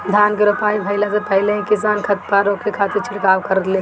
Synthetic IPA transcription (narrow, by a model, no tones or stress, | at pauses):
d̪ʱaːnkeɾopaːibʱɐɪlasepɐɦɪleɦĩkɪs̬aːnkʰɐt̪̚paɾoːkekʰaːt̪ɪɾt͡ʃʰɪɽkaːʋkɐɾəd̪le